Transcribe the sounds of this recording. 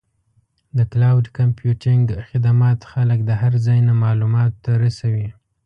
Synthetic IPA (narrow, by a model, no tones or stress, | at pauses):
d̪əklawɖkampjuʈɪŋɡxɪd̪amɑt̪xaləkd̪əɦaɾzɑjnamɑlumɑt̪ːaɾasawi